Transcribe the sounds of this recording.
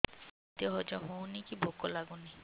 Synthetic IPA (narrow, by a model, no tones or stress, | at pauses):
t̪ijɔɦɔd͡ʒɔɦõwnikibʱokɔlaɡuni